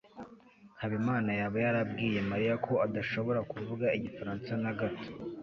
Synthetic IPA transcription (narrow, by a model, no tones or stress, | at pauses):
haβimaːnajaβajaɾab̚ɡiːje̞maɾijakʰo̞adaʃo̞βo̞ɾakuvuɡaiɟifaɾaːnsanaɡato̥